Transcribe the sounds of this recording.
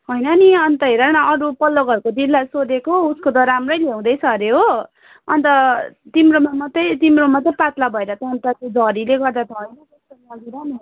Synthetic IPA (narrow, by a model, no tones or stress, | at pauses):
ɦojnʌniʌnt̪ʌɦeɾʌnʌʌɾupʌlːʌɡʌɾukod̪illajsod̪ekouskot̪ʌɾamrʌjleũd̪ʌjsʌɾeɦo | ʌ̰nt̪ʌt̪imromamʌt̪ʌjt̪imromʌt̪ʌpat̪labʱʌeɾʌt̪ʌʌnt̪ʌt̪od͡zʱʌɾileɡʌrd̪at̪ʰʌɦojnʌt̪ʌst̪ʌlaɡiɾʌni